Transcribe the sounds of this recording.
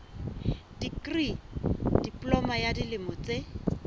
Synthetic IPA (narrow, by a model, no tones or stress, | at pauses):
d̥ikrid̥ipʼlɔmajadilɪmɔt͡se